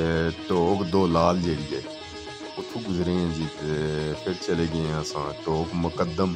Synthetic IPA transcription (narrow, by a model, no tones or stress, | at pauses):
ʈoːkd̪oːlaːld͡ʒeːɽiːɛ̰ː | ʊt̪ʰːũːɡʊzɾeːãːd͡ʒiːpʰɪɾt͡ʃəleːɡəeɛ̃ːəsãːʈoːkmʊkəd̪ːəm